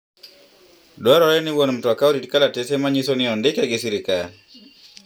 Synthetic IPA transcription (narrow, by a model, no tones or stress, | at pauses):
dwaɾɔɾɛnɪwonm̩twakaoɾitkalatɛsemaɲisɔnɪɔndɪkaɡɪsiɾɪkal